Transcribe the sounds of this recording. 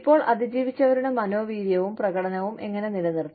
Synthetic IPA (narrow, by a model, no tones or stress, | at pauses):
pːo̞ːɭʔɐðid͡ʑiːʋit͡ɕːɐʋɐɾuɳemɐno̞ːʋiːɾjɐʋumprɐɣɐɽɐnɐʋumʔe̞ŋːɐne̞nilɐnːiru